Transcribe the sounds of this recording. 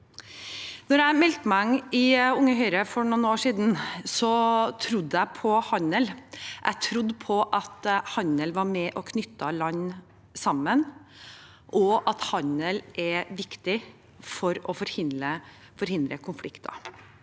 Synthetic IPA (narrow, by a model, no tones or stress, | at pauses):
nɔɾæɪmɛlt̪mæɪʊŋːəɦœʏɾəfɔɳʊnoːʂiːd̪n̩sɔt̪ʰɾʊd̪ːæpʰɔhɑnəlʔæ̰t̪ʰɾʊd̪ːpʰɔʔɑt̪hɑnəlʋɑɾmɛʔɔkʰnʏt̪ːɑlɑɲː | sɑmːən | ʔɔʔɑt̪hɑnəlʔɛʋɪkt̪ɪ | fɔɾɔfɔɾhɪnd̪ɾə | fɔɾhɪnd̪ɾəkʰʊnflɪkt̪ɑ̰